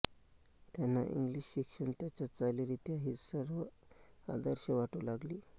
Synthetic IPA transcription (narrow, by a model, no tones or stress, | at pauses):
t̪janːa̰ʔḭŋɡliɕːikʂəɳt̪jat͡ɕat͡saliɾit̪iaɦisəɾʋəa̰d̪əɾɕəʋaʈulaɡliː